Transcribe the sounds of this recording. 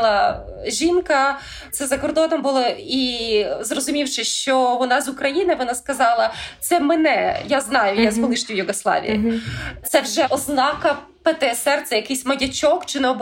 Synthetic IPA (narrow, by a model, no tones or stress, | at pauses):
lˠɐ | ʒʲinkɐ | zɐzɐkɔrd̪ɔnɔmbʊlˠɪizrɔzʊmʲiwʃɪʃt͡ʃɔʋɔnɑzʊkɾɐjinɪʋɔnɑskɐzɑlˠɐt̪sɛmɛnɛjaznɑjʊjazɦɔlˠɪʃnʲʊjʊɡɔslˠɑ̰ʋʲḭjḭt̪sɛwʒɛʔɔznɑkɐ | pet̪ɛsɛrt̪sɛjɐkɪjsʲmɐjɐt͡ʃʲɔkt͡ʃɪnɛɔb